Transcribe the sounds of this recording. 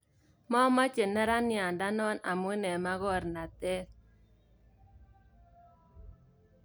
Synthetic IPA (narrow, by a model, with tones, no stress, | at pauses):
mɔ˦ma˦t͡ʃe˨nɛ˦ɾa˦nja˨nda˦nɔ˦na˨mu˦nɛ˨ma˦ɣɔ˦˨ɾna˨tɛ˦